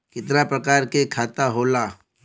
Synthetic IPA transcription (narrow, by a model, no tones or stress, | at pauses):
kɪt̪napɾəkaːɾkekʰaːt̪aɦoːlaː